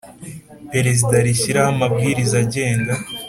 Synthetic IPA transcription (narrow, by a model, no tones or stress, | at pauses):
pe̞ɾe̞zidaɾiçiɾahamabɡiːɾizaɟe̞ːŋɡa